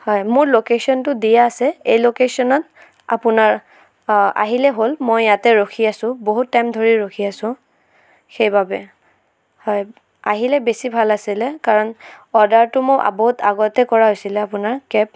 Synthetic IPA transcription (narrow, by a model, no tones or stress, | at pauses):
hɔjmʊɹlokesɔntʊdijaːsɛejlokesɔnɔt | a̰pʊnaɹ | a̰ɦilɛɦolmɔjːatɛɹoxʰiasʊ̃boɦutːajmdʱoɹiɹokʰiasʊ̃ | xejbabɛ | hɔj | aɦilɛbesibʱalasilɛkaɹɔnɔdaɹtʊmʊɹʔa̰boɦuta̰ɡɔtɛkɔɹaɦojsilɛapʊnaɹkɛp̚